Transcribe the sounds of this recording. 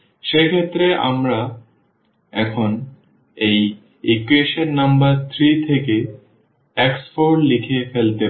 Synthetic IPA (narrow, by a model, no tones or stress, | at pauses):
ʃekʰet̪ːɾeʔa̰mɾa | ɛkʰon | ej | ikueʃenːambaɾt̪ʰɾit̪ʰeke | ɛkspoɾlikʰefelt̪e